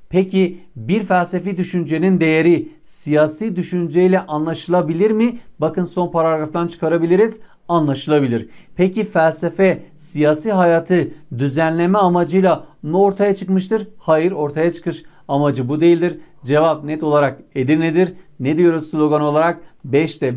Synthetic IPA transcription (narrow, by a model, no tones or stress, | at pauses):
pʰecibiɾfælʲse̞fid̪yʃynd͡ʒe̞nind̪e̞jeɾi | sijaːsiːd̪yʃynd͡ʒejlʲɛʔanlˠaʃɯlˠabilʲiɾmɪbakɯnso̞npaɾaɾɾaft̪ant͡ʃʰɯ̥kʰaɾabilʲiɾiz̥ | anlˠaʃɯlˠabilʲiɾpʰecifælʲse̞fɛsijaːsiːɦajaːt̪ʰɯd̪yzænlʲe̞mɛamad͡ʒɯjlˠanuo̞ɾt̪ʰajat͡ʃʰɯkmɯʃ̬t̪ʰɯɾhajɯɾo̞ɾt̪ʰajat͡ʃʰɯ̥kʰɯʃ | amad͡ʒɯbud̪e̞jilʲd̪iɾd͡ʒe̞vap̚nɛt̪o̞lˠaɾaked̪iɾned̪iɾned̪ijo̞ɾuzslʲˠo̞ɡano̞lˠaɾakbɛʃt̪ʰɛ